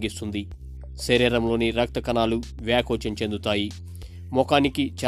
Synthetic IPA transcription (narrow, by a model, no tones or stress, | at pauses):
ɡist̪und̪i | seɾiːɾɐmlo̞ːniɾɐk̚t̪ɐkɐnaːlu | ʋjaːkoːt͡ʃɐmt͡ʃe̞nd̪ut̪aːji | mɔkaːnikit͡ʃɛ